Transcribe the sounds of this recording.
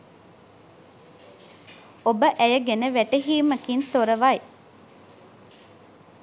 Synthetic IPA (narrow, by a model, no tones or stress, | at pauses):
obəʔæjəɡenəʋæʈeɦiːməkint̪oɾəʋaj